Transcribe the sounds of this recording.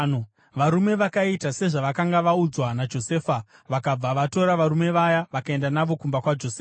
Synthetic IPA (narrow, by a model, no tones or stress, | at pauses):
no | ʋaɾume̞ʋakaitase̞ʐaʋakaŋɡaʋaud͡zwanad͡ʒo̞se̞ːfa | ʋakab͡vaʋato̞ɾaʋaɾume̞ʋajaʋakae̞ndanaʋo̞kumbakwad͡ʒoseːa